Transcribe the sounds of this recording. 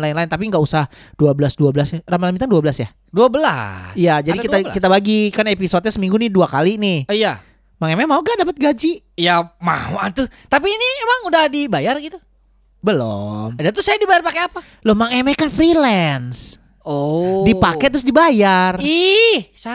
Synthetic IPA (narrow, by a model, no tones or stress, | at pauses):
laɪnlaɪnt̪ap̬iŋɡaʔusaah | duabəlasduabəlasaramalamit̪aŋduabəlasja | duabəla̰ijad͡ʒadikiakit̪abaɡikanepisot̪̚ɲasəmiŋɡunɪduakalinɪhija | maŋemɛmauɡadapət̪̚ɡad͡ʒi | jama̰oat̪ʊt̪ap̬iːniemaŋudahdibajarɡit̪u | bəlo̰madat̪ʊsajadibajarpakeapa | lʊhmaŋemekanfɾilɛns | odipakɛt̪ɾʊsdibajarisa